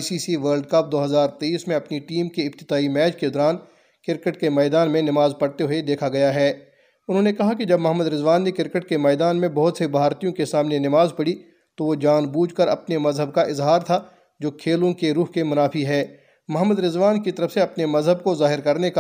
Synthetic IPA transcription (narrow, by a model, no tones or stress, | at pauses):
siːsiʋəːɾlɖkɐp̚d̪oːɦɐzaːɾt̪eiːsmẽɐpniʈiːmkeɪbt̪ɪd̪aːimɛːd͡ʒked̪ɔːɾaːn | kɪɾkəʈkemɛːd̪aːnmẽnɪmaːzpɐɽt̪eɦʊed̪eːkʰaɡɐjaɦɛː | ʊnɦõnekɐɦakid͡ʒɐbmɐɦəmːəd̪ɾɪzʋaːnːekɪɾkəʈkemɛːd̪aːnmẽbɐɦʊt̪sebʱaːɾt̪ijõkesaːmnenɪmaːzpɐɽi | t̪oʋod͡ʒaːnbuːd͡ʒkɐɾɐpnemɐzɦəbkaʔɪzɦaːɾt̪ʰa | d͡ʒoːkʰeːlõkeɾuːɦkemʊnaːfiɦɛː | mɐɦəmːəd̪ɾɪzʋaːnkit̪ɐɾəfseɐpnemɐzɦəb̚kozaːɦɪɾkɐɾneka